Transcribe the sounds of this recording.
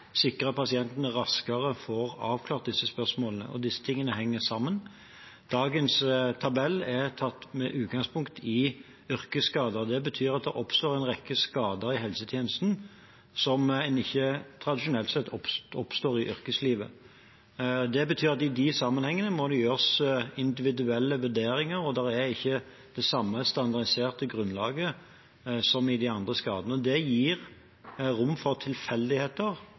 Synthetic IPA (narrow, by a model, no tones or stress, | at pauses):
sɪkʁəpɑsɪɛnt̪nəʁɑskəʁəfɔʁɑːʋkʰlɑːʁt̪̚d̪ɪsːəspœʁʂmoːlənə̰ʔɔ̰d̪ɪsːə̥t̪ʰɪŋːənəɦɛŋːəsɑmːən | d̪̥ɑːɡənst̪ʰɑbɛlːɛʁt̪ʰɑt̪ːmɛʔʉːt̪̚ɡɑŋspʰʊŋkt̪ʰɪ | ʏɾkəskɑːd̪əd̪ɛbət̪ʰyːʁɑt̪̚d̪ɛʔɔpst̪oːɾɛnʁɛkːəskɑːd̪əɾɪɦɛlsət̪ʰjeːnəst̪n̩ | sɔmɛnɪçːət̪ʰɾɑd̪ɪʃʊnɛlt̪sɛt̪ːʰɔpɔpst̪oːʁɪʔʏɾkəsliːʋə̰ | d̪ɛbət̪ʰyːɾɑt̪ɪd̪ɪsɑmːənhɛŋːənəmɔd̪ɛjøːʁsɪnd̪ɪʋɪd̪ʉɛlːəʋʉd̪eːɾɪŋəɾɔd̪ɛɾæɪçːə | d̪̥ɛsɑmːəst̪ɑnd̪ɑʁd̪ɪseːʁt̪əɡʁʉnlɑ̰ːɡə | sɔmɪd̪ɛɑnd̪ʁəskɑːd̪ənəɔd̪ɛjiːʁ | ɾʊmːfɔʁt̪ʰɪlfɛld̪ɪheːt̪əʁ